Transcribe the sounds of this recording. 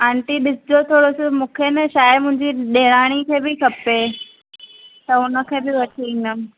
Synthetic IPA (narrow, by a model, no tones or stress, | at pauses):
ãːɳʈiɗɪsɪd͡ʑot̪ʰoːɽosɪmũːkʰenɛ̃ʃaːɪmʊ̃ɦɪ̃ɲd͡ʑiɗeːɽ̃aːɽ̃ikʰeːbɪkʰɐpe | t̪ɐʊnə̆kʰeːbɪʋɐʈʰinə